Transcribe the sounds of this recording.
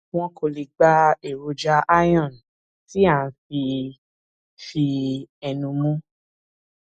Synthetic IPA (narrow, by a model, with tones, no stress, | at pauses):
w̃ɔ̃˦ko˨li˨ɡ͡ba˦e˦˨ɾo˧d͡ʒa˧˦a˦jɔ̃˦˨n˨ | ti˦ã˦˨˦fi˧ | fi˧ɛ˧nũ˧mũ˦